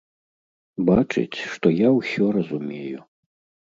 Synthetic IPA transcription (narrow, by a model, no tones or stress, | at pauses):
bat͡ʂɨ̰t͡sʲʂt̪ɔjawsʲɔɾɐzumʲeju